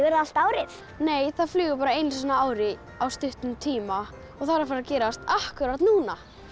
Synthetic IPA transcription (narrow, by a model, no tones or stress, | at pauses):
ɣɛɾal̥t̪aːwɾɪθ | neːjθaðflʏːɣʏpaːɾaejnsanːaaːwɾɪ | awst̪ʏht̪ʏmt̪ʰiːma | ɔɣθaɾafaːɾacɛːɾast̪ahkʏɾaɾt̪nuːna